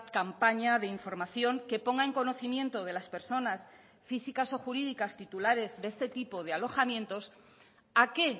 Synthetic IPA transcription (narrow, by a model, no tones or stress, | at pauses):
kampaɲaðe̞iɱfo̞ɾmaθjo̞ŋke̞po̞ŋɡae̞ŋko̞no̞θimjẽ̞nt̪o̞ð̞e̞laspe̞ɾso̞nas | fisikaso̞xuɾiðikast̪it̪ulaɾe̞zðe̞st̪e̞t̪ipo̞ðe̞alo̞xamje̞nt̪o̞s | ake̞